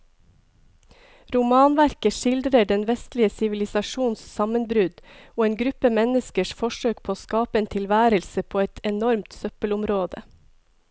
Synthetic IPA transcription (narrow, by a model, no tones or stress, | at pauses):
ɾʊmɑːnʋæɾkəʃɪld̪ɾəɖɛnʋɛst̪lɪəsɪʋɪlɪsɑʃuːnssɑmənbɾʉd̪oːeːnɡɾʉpəmɛnəskəʃfɔʃøːk̚pʰoːskɑːpəeːnt̪ʰɪlʋæːɾəlsəpʰoːɛt̪ɛnɔɾmt̪sœpəlʊmɾoːd̪ə̰